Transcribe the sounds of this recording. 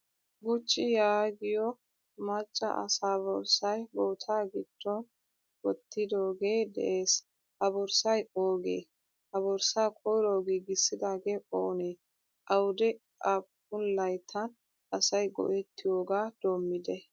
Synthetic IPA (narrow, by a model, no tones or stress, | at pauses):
ɡʊt͡ʃʼːɪjaːɡɪjɔ | mɐt͡ʃʼːɐ̰ʔɐ̰saːbɔɾsɐjboːt̪ʰaːɡɪd̪̥ːɔn | wɔt̪ːɪd̪oːɡe̞ːd̪ɛ̰ʔe̞ːs | hɐbɔɾsɐjoːɡḛː | hɐbɔɾsaːkʼɔjɾoːɡiːɡɪsːɪd̪aːɡe̞ːʔoːneː | ʔɐwʊd̪ɛ | ʔab | ʊnlɐjt̪ʰːɐn | ʔɐsɐjɡɔ̰ʔɛt̪ʰːɪjoːɡaːd̪̥oːmːɪd̪ɛ